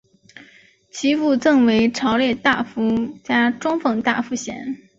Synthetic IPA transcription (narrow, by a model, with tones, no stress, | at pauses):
t͡ɕʰi˧˥fu˥˧t͡sɤ˥˩ŋwe˧˥ɪʈ͡ʂʰɑ˧˥ʊljɛ˥˧t̪a˥˩fu˧˥t͡ɕja˥ʈ͡ʂʊ˥ŋfɤ˨˩ŋt̪a̰˥˩fu˧˥ɕjɛ̰˧˥n